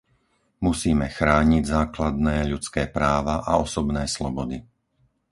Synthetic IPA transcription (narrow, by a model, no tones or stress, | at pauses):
musiːmɛxɾaːɲiɟzaːklad̪nɛːʎut͡skɛːpɾaːʋaʔaɔsɔbnɛːslɔbɔd̪i